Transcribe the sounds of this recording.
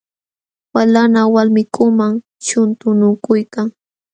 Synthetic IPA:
walanawalmɪkʊmaŋ | t͡ʃʊnt̪ʊnʊkʊjkaŋ

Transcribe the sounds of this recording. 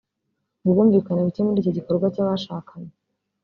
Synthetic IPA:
ŋuβuːɱviːkanaβitemuɾiːcoɟiko̞ɾɡwacaβaʃaːkʰaɲe

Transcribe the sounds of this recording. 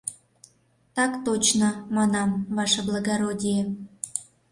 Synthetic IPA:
t̪ɑkt̪ot͡ɕnomɑnɑmβɑʃɑblˠɑɣɑɾodʲije

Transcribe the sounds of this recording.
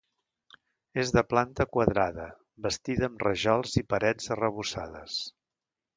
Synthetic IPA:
ezðəplant̪əkwəðɾaðə | bəst̪iðəːmrəʒɔlˠzipəɾɛzərəβ̞usa̰ðə̰s

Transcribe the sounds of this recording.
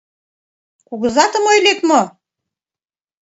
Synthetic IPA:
kuɣɤ̆zɑt̪ə̆mojlek̪mo

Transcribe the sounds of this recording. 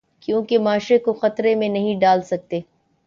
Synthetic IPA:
kjõːkemaːʃɾekoxɐt̪ɾemẽnɐɦĩɖaːlsɐk̚t̪eː

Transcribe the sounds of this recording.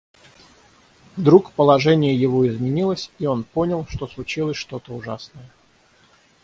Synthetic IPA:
vd̪ɾukpəlˠɐʐɛnʲɪjəjɪvoɪzmʲɪnʲilˠəsʲio̞nponʲəlˠʂt̪o̞slˠʊt͡ɕilˠəsʲʂt̪o̞t̪əʊʐasnəjə

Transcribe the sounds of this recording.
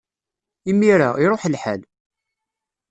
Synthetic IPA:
imːiɾaiɾˤoħlħa̰l

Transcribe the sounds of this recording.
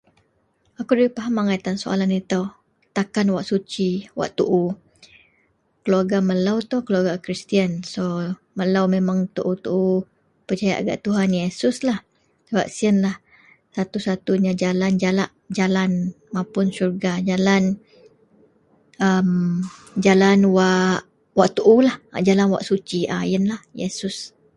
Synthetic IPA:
akudaɾipaɦamaŋait̪ansoa̰lanit̪aw | t̪akanwaʔsut͡ʃiwa̰ʔt̪uʔu | kəluaɡaməlawt̪okəluaɡakɾist̪iənso | məlawmemaŋt̪uʔut̪uʔu | pərt͡ʃaja̰ʔaɡa̰ʔt̪uɦanjesʊslah | səbapsiənlah | sat̪usat̪uɲad͡ʒaland͡ʒalaʔ | d͡ʒalan | mãpʊnsurɡad͡ʒalan | əm | d͡ʒalanwaʔ | waʔt̪uʔulaha̰d͡ʒalanwa̰ʔsut͡ʃiʔa̰jənlahjḛsʊs

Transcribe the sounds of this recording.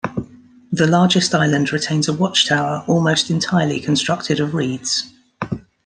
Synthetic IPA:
ðəlɑːd͡ʒɪstaɪlə̃ndɹɪtʰẽɪ̃nzəwɒt͡ʃtʰaʊəɹʔɔːlˠməʊstɪ̃ntʰaɪəlḭkʰə̃nstɹ̥ʌk̚tʰɪɾəvɹiːdz̥

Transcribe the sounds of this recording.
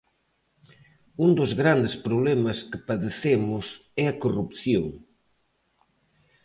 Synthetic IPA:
und̪ʊzɣɾand̪ɪspɾoβlɛmɐskɪpɐðeθemʊs | ɛɐkorupθjoŋ

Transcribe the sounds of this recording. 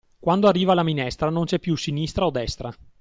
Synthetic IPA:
kwand̪oarːiːvaːlaminɛst̪ɾanont͡ʃɛpːjusinist̪ɾaod̪ɛst̪ɾa

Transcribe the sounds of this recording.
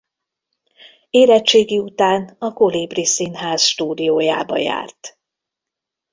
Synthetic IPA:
eːɾɛt͡ʃːeːɡiut̪aːnɒkoliːbrisinɦaːzʃt̪uːd̪ijoːjaːbɒ̰ja̰ːrt̪

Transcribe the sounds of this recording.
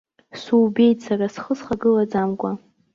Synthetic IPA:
suːbe̞jtʼsaɾasχəsχaɡɨlad͡zamɡʷa

